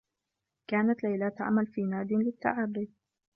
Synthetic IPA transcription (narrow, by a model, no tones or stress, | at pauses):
kaːnat̪lajlaːt̪ʕa̰malfiːnaːd̪ɪnlɪt̪ːa̰ʕaːbid